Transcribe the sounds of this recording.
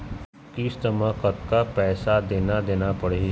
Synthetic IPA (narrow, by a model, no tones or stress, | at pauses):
kist̪əməkət̪kapɛːsad̪eːnad̪eːnapɐɽe